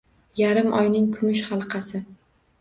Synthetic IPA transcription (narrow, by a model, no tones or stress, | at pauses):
jaɾɪmʔɒ̰jnɪŋkʰʊmʊʃχɑlˠqʰɑsɪ